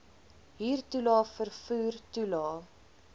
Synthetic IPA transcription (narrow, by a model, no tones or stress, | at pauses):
ɦiːrtulɑːfərfuːrtulɑː